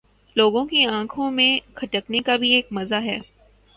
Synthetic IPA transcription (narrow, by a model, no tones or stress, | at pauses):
loːɡõkiãːkʰõmẽkʰɐʈəknekabʱieːkmɐzaɦɛː